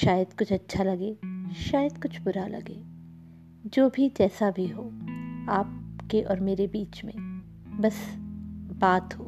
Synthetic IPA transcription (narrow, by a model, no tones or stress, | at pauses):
ʃaːjəd̪kʊt͡ʃʰɐtːʃʰalɐɡeːʃaːjəd̪kʊt͡ʃʰbʊɾalɐ̰ɡḛː | d͡ʒoːbʱid͡ʒɛːsabʱiɦoːaːp̚keʔɔːɾmeːɾebiːt͡ʃmḛ̃ | bɐs | baːt̪ɦoː